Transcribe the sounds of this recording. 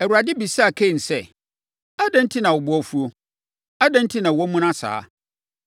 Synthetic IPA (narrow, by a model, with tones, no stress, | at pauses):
ɛ˨wu˨ɾa˨dɪ˦bi˨sa˦a˨kʰe˦˨n̩˨sɛ˦˨ | a˦dã˦n̩˦tʰi˦nã˨wʊ˨bʊ˦ɔ˦fu˦o˦ | a˦dã˦n̩˦tʰi˦nã˨wɔ˦mũ˦nã˦sa̰ː˦